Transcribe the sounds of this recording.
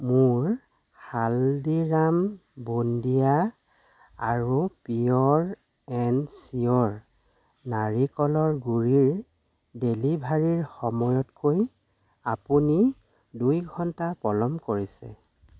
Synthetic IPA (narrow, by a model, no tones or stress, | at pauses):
muɹ | xaldiɹambundija | aɹupiɔɹ | ɛnsiɔɹ | naɹikɔlɔɹɡuɹiɹ | delibʱaɹiɹxɔmɔjɔtkʰoj | apuni | dujɡʱɔntapɔlɔmkoɹisɛ̰